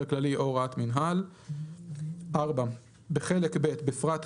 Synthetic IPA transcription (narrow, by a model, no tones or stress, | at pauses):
klaliʔoʁat̪minɦal | ʔaʁba | beχelekbe̞t̪befʁat̪